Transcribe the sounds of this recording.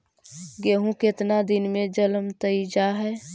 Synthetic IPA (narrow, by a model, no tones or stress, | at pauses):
ɡeːɦũket̪nad̪inmẽd͡ʒələmt̪əid͡ʒaɦɛː